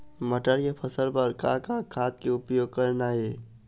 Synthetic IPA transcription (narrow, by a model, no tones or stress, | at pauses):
məʈəɾjapʰəsəlpəɾkakakʰaːt̪̚keʊpjoːɡ̚kəɾnaɦeː